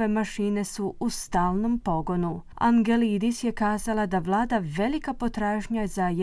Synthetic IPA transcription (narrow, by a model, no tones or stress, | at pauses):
e̞maʃiːne̞suust̪aːlˠno̞mpo̞ɡo̞nu | a̰ŋɡe̞lid̪isje̞kaːzalˠad̪aʋlˠaːd̪aʋe̞likapo̞t̪ɾaːʒɲazaje